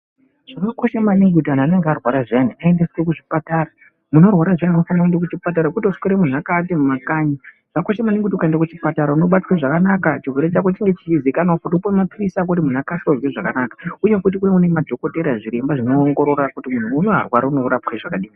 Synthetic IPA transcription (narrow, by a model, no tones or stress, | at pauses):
ʐ̥akako̞ʃemaniŋɡutiananeŋɡearwaɾaʐaniaendeskekuʐipataːɾa | muno̞rwaɾaʐaninofanakundek̬ut͡ʃipat̬aɾakutoʂu̥keɾemun̤akatemumakaɲi | ʐ̥akoʃemaniŋɡutiukaendakut͡ʃipataɾauno̞ɓatwaʐakanakat͡ʃirwe̞ɾet͡ʃakot͡ʃiŋɡet͡ʃizikanofutupomapirisak̬ot̬imun̤akasorweʐakanakḁuje̞kut̬ikuneune̞madʱo̞ko̞teɾaʐiɾe̞mbaʐino̞ːŋɡo̞ɾo̞rakutimun̤uːnoa̰rwaɾauno̞ɾapxeʐakaɗiːmi